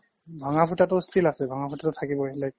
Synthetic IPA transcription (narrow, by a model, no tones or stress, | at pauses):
bʱaŋapʰutatʊstʰilasɛbʱaŋapʰutatʊtʰakibɔelak̚